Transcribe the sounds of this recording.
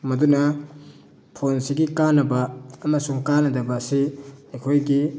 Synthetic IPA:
mɐdunɐ | pʰonsiɡikanɐbɐːmɐsuŋkanɐdɐbɐːsiɐjkʰojɡi

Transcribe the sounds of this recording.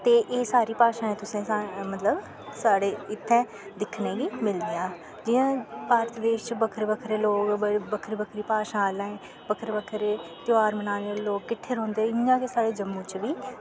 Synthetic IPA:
t̪eːʔeːsaːɾiːpaːʃãːɛ̃ːt̪ʊsẽːmət̪ləb | saːɽeːɪt̪ʰːɛ̃ː | d̪ɪkʰnẽːɡiːmɪlneːãː | d͡ʒɪjãːpaːɾət̪d̪eːʃt͡ʃbəkʰəɾbəkʰɾeːloːkəbəkʰəɾbəkʰɾiːpaːʃãːlãːẽː | bəkʰəɾbəkʰɾeː | t̪oaːɾmənaːneːɾloːɡkːɪʈʰːeːɾɔ̃ːnd̪eːɛɪːãːkesaːɽeːd͡ʒəmːũːt͡ʃʋiː

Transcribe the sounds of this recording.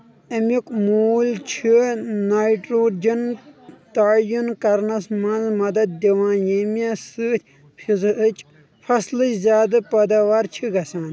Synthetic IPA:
ɐmikmuːlt͡ʃʰinajʈɾoːɾd͡ʒɐnt̪aːjunkɐɾnɐsmɐ̃nzmɐd̪ɐd̪̚d̪iʋãːjemesɨt̪ʲ | fʰizɨt͡ʃ | fʰɐslɨt͡ʃzʲjaːd̪ɨpɐd̪aːʋaːɾt͡ʃʰiɡɐsãːn

